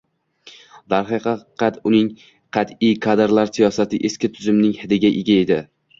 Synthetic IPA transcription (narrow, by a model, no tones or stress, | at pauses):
d̪aɾχɨqɑqʰɑt̪ʊnɪŋ | qʰɑt̪ijkʰad̪ɾlaɾsijɒsat̪ʰɪʔeskʲɪt̪ʰʊzɪmnɪŋhɪd̪ɪɡʲaʔɪɡʲaed̪ɪ